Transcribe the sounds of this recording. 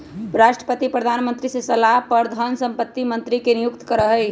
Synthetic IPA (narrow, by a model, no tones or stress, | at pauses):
ɾaʃʈɾə̥pət̪ipɾəd̪ʱanmənt̪ɾisesəlaɦpəɾd̪ʱənsə̃mpət̪ːimə̃nt̪ɾikenijʊkt̪kəɾəɦəj